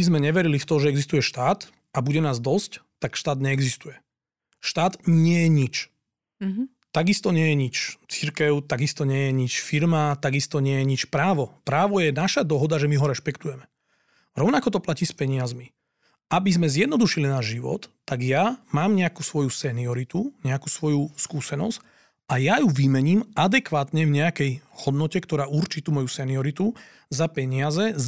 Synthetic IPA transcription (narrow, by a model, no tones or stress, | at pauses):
izmɛɲɛʋɛɾilift̪ɔʒɛɛɡzist̪ujɛʃt̪aːt̪ | ʔabuɟɛnaːzd̪ɔsct̪akʃt̪aːd̪ɲɛɛɡzist̪ujɛ | ʃt̪aːd̪ɲɪɛjɛɲit͡ʃ | t̪aɡist̪ɔɲɪɛjɛɲit͡ʃt͡siɾkɛʊt̪aɡist̪ɔɲɪɛjɛɲit͡ʃfiɾmat̪aɡist̪ɔɲɪɛjɛɲit͡ʃpɾaːʋɔpɾaːʋɔjɛnaʃad̪ɔɦɔd̪aʒɛmiɦɔɾɛʃpɛkt̪ujɛmɛ | ɾɔʊnakɔt̪ɔplaciːspɛɲɪazmi | ʔabizmɛzjɛd̪nɔd̪uʃilinaːʒʒiʋɔ̰t̪ːaɡjamaːmɲɛakusʋɔjusɛniɔɾit̪uɲɛakusʋɔjuskuːsɛnɔ̰sc | ajajuʋimɛɲiːmad̪ɛkʋaːt̪ɲɛvɲɛakɛjhɔd̪nɔcɛkt̪ɔɾaːʔuɾt͡ʃit̪uːmɔjusɛniɔɾit̪u | zapɛɲɪazɛ